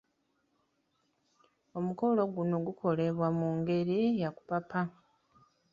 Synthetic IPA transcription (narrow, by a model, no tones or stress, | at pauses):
o̞muko̞lo̞ɡuno̞ɡukʰo̞le̞βwamuːŋɡe̞ɾijaku̥papa